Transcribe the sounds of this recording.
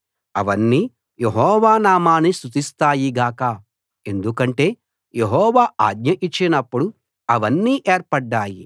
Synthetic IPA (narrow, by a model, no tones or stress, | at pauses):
ɐʋɐnːiː | jeɦɔːʋaːnaːmaːnist̪ut̪ist̪aːjiɡaːkaː | e̞nd̪ukɐɳʈe̞ː | jeɦɔːʋaːa̰ːɡ̪ɲɐʔit͡ʃːinɐpːuɽu | ɐʋɐnːiːʔeːɾpɐɖːaːji